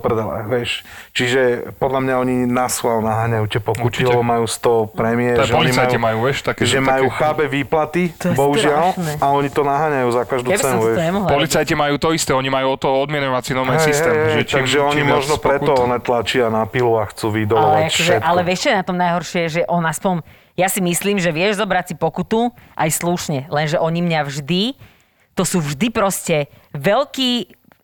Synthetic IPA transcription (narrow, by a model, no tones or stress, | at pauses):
prd̪ɛlɛ̰ʋɛʃt͡ʃiʒɛpɔd̪lamɲaɔɲinaslalnaɦaːɲajucɛpɔuɾtt͡ʃilɛɔmajuːst̪ɔpɾɛmiɛɾpɔlit͡sajimajuːʋjɛʃt̪akɛʒɛmajuxabɛʋiːplat̪ibɔɦuʒɪalnɛaɔɲit̪ɔnaɦaːɲajuːzakaʒd̪ubisɛnuɛɲɛmɔɦlpɔlit͡sajcimajuːt̪ɔist̪ɛɔɲimajuːɔt̪ːɔɦɔɔd̪mɪɛɲɔʋat͡sinɔnɛsist̪ɛːmʒɛt̪aɡʒɛɔɲimɔʒnɔpɾɛt̪ɔɔnɛt̪lat͡ʃɪanapiluaxt͡suʋid̪ɔlɛaɔʒɛʔalɛʋɛʃt͡ɕɛnat̪ɔmnajɦɔɾʃɪɛʒɛʔɔnaspɔɲ | jasimisliːmʒɛʋɪɛʒzɔbɾat͡sipɔkut̪uʔajsluʃɲɛlɛnʒɛʔɔɲimɲaʋʒd̪i | t̪ɔsuːvʒd̪ipɾɔscɛ | ʋɛlkiː